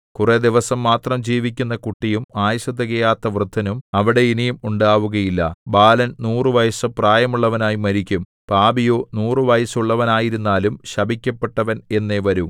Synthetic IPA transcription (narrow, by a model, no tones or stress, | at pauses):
kured̪iʋɐsɐmːaːt̪rɐmd͡ʑiːʋikʲːunːɐkuʈːijumaːjɐɕɐt̪ːɐɣejaːt̪ːɐʋrɨd̪ʱːɐnumɐʋiɽe̞inijumuɳɖaːʋuɣɐjilːɐ̰baːlɐnnuːrɨʋɐjɐsɐpraːjɐmuɭːɐʋɐnaːjimɐɾikʲːum | paːbijo̞ːnuːrɨʋɐjɐsuɭːɐʋɐnaːjiɾunːaːlumɕɐbʱikʲːɐpːe̞ʈːɐʋɐne̞nːeʋɐɾum